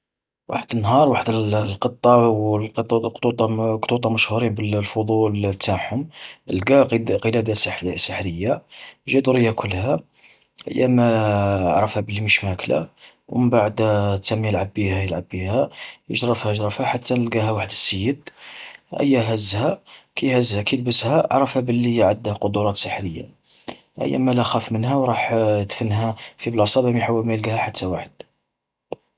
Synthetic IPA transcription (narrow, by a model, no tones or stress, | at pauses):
wa̰ħəd̪ənːɦɑɾˤwaħəd̪əlqət̪ˤːɑwqt̪ˤut̪ˤɑqt̪ˤut̪ˤɑməʃhuɾinbəllfod̪ˤult̪ːaħʊməlɡæqəlæd̪assəħɾəjːaʒæd̪uɾəjːækʰʊlːhæ | ʔə̰jːæmæʕɾˤəfhæbəlːiməʃmækla̰ | wməmbaʕəd̪t̪ːæmjəlʕabːihæjəlʕabːihæjə̰ʒɾˤəfhæʒɾɑfhæħat̪ʰːænəlɡæɦæwaħəd̪əsːəjːəd̪ | ʔə̰jːæɦæzːhækʰæjhæzːhækæjlbəshæ̰ʕɾˤəfhæbəlːijʕəd̪ːhæqod̪uɾˤɑt̪səħɾəjːa̰ | ʔə̰jːæ̰mælæxæfmənhæwɾˤɑħt̪fənɦæfiblɑsˤɑbæmiħawːælmæjəlɡæhæħat̪ʰːæwaħəd̪̥